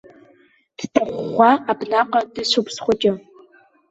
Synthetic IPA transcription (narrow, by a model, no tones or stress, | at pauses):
tʰtʰɐχʷχʷɑːaːbɮaːqɐdɨɕʷʊpsχʷɔt͡ʃʼɐ